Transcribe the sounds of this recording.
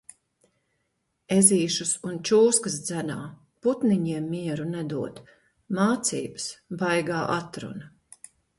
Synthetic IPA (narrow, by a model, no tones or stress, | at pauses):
eziːʃusunt͡ʃuːskɐsd̪zænaː | put̪niɲiɛmːiɛɾunɛd̪uɔd̪ | maːt̪sḭːbə̥sbajɡaːʔat̪ɾṵnɐ